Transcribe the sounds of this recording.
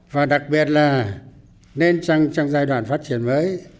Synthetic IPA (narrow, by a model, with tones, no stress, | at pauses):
vaː˨˩ɗa˨˩k̚ɓi˨˩ət̚laː˨˩ | ne˧nt͡ɕa˧ŋt͡ɕa˧ŋzaː˧jɗwa̰ː˧˨nfaː˦˥t̚t͡ɕi˧˩ənməː˨˦j